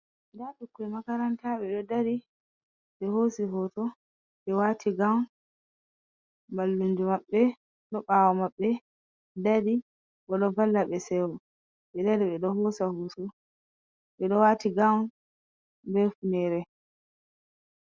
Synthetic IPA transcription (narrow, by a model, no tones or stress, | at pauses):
daɗukːuɛmakaɾantaɓɛɗɔdaɾi | ɓɛhosiɦɔtɔ | ɓɛwatʰiɡawn | mbalːund͡ʒumaɓːɛ | ɗɔɓaːwɔmaɓːɛ | dadi | ɓɔɗɔvalːaɓɛsɛwɔ | ɓɛdaɾiɓɛɗɔhɔːsahusu | ɓɛɗɔwatiɡawn | bɛfunɛɾɛ